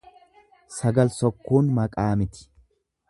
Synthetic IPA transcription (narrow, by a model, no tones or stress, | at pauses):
sɐɡɐlsɔkːuːnmɐkʼaːmɪt̪ɪ̥